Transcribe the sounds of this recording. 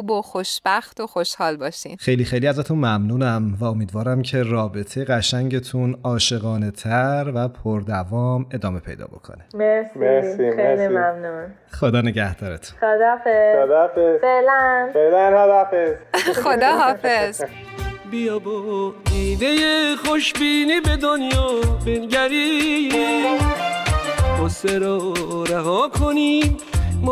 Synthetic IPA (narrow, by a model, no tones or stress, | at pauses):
uboxoʃb̥æxt̪oxo̞ʃhɒːlbɒːʃḭːxe̞jlixe̞jliæzæt̪ʰunmæmnuːnæmvæo̞miːd̪vɒːɾæmcʰe̞rɒːbe̞t̪ʰejeɣæʃæɲɟe̞t̪ʰunɒːʃe̞ɣɒːne̞t̪ʰæɾvæpʰoɾd̪ævɒːme̞d̪ɒːme̞pʰe̞̰jd̪ɒ̰ːbo̞̰kʰo̰nebeseielimæmnun | χo̞d̪ɒːne̞ɟæhd̪̥ɒːɾet̪ʰu̥nxod̪ɒːfeod̪ɔfezfeʔlænfelænhad̪afezxod̪ɒːɦɒːfez̥ | bijɒːboiːd̪ejeχoʃbiːniːbed̪onjɒːbenɟæɾi | boseɾɒːɾeɦɒːkʰoni | m